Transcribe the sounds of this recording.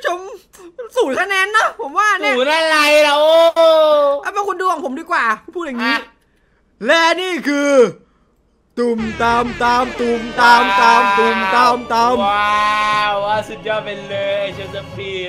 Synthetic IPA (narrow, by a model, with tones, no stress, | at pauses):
t͡ɕo˧m | suː˨˩˦k̪ʰaː˧˩nɛː˧˥nːɔ˨˦˥pʰo˨˩˦mwaː˧˩˧a˧˩la˧˩jla˨˦ʔo˧ʔaː˧˥maː˧˥ku˧ndu˨˩əŋpʰo˨˩˦mdɨː˧˩kwaː˨˩˧pʰuː˥˩t̚ja˨˩ŋiː˨˦˥ | lɛː˧˩niː˧˥˩kʰɯː˧ | t̪u˨˩mt̪a˧mt̪aː˧mt̪u˨˧˩mt̪aː˧mt̪aː˧mt̪u˨˩mt̪a˧mt̪a˧mwa˧aː˧˩sɨ˨˩t̪̚jɔː˧˩pe˧nləː˧ja˧˩jsə˧sɛ˧˦˩pi˧˩